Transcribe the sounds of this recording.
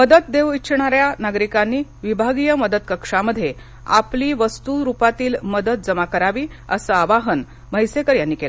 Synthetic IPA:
məd̪ət̪̚d̪eʋiɕɳ̃aɾjanaɡɾikanːiːʋibʱaɡijəməd̪ət̪kəkʂaməd̪ʱːje | a̰pliːʋəst̪uɾupat̪iːlməd̪ət̪̚d͡zəmakəɾaʋiː | ə̰səaʋaɦən | məjsekəɾjanːiːkelə

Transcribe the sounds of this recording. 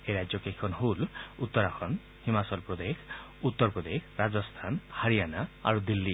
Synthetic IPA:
eɾad͡ʒjɔkekʰɔnɦulut̪ːɔɾakʰɔn | himasɔlpɾɔd̪ekʰ | ut̪ːɔɾpɔd̪ekʰɾad͡ʒɔst̪ʰanhaɾijanaa̰ɾud̪ilːi

